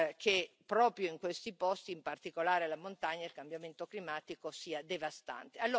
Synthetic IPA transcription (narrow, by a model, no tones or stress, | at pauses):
kʰepːɾɔːpɾjoiŋkwest̪ipɔst̪iːmpart̪ikolaːɾealamont̪aɲːaelkambjament̪oklimaːt̪ikosiːad̪evast̪a̰nt̪ealːoː